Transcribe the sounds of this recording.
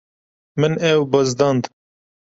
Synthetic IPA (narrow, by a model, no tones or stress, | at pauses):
mɨnɛwbɐzd̪ɑːnd̪